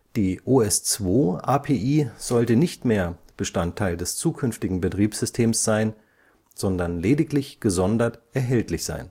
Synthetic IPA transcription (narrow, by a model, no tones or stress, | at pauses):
d̥iːʔoɛst͡sv̥oːʔaːpʰeːʔiːz̥ɔltənɪçtmeːɐb̥əʃtantʰːaɪldɛst͡suːkʰʏnftɪɡŋ̩bətʁ̥iːpsz̥ʏstʰeːmsz̥aɪn | z̥ɔndɐnleːdɪklɪçɡ̥əzɔndɐtʔɛɐɦɛltlɪçz̥a̰ɪn